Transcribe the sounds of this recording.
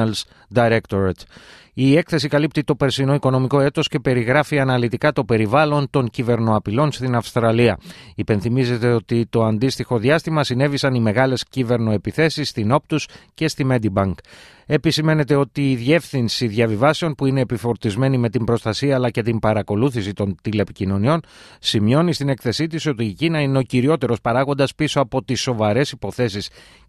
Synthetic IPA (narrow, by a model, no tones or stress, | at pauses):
ls | d̪ɐɾekt̪oɾɐt̪ | ie̞kθe̞sikɐlip̚t̪it̪o̞pe̞ɾsino̞iko̞no̞miko̞e̞t̪o̞sce̞pe̞ɾiɣɾɐfiɐnɐlit̪ikɐt̪o̞pe̞ɾivɐlo̞nt̪o̞ɲcive̞ɾno̞ɐpilo̞nst̪inɐfst̪ɾɐliɐipe̞nθimize̞t̪e̞o̞t̪it̪o̞ɐnd̪ist̪ixo̞ðjɐst̪imɐsine̞visɐnime̞ɣɐle̞scive̞ɾno̞e̞piθe̞sisːt̪ino̞p̚t̪usce̞st̪ime̞d̪ibɐŋk | e̞pisime̞ne̞t̪e̞o̞t̪iːðe̞fθinsiðʝɐvivɐseo̞npuine̞ːpifo̞ɾt̪izme̞nime̞t̪imbɾo̞st̪ɐsiɐːlɐce̞t̪imbɐɾɐko̞luθisit̪o̞nt̪ile̞picino̞nio̞n | simɲo̞nist̪ine̞kθe̞sit̪̬iso̞t̪iːcinɐine̞o̞ciɾio̞t̪e̞ɾo̞spɐɾɐɣond̪ɐspiso̞ɐpo̞t̪isːo̞vɐɾe̞sipo̞θe̞sis